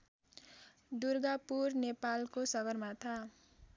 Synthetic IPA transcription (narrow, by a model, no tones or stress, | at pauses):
d̪urɡapurnepalkosʌɡʌrmat̪ʰa